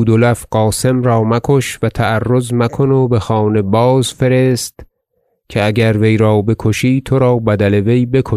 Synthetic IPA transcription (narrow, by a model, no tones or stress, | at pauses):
uːd̪olæfɢ̥ɒːse̞mɾɒːmækʰo̞ʃvæt̪ʰæærːo̞zmækʰo̞nobe̞xɒːne̞bɒːzfe̞ɾe̞st̪ | cʲʰeæɟæɾve̞jɾɒːbe̞kʰoʃiːt̪ʰoɾɒːbæd̪æle̞ve̞jbe̞kʰo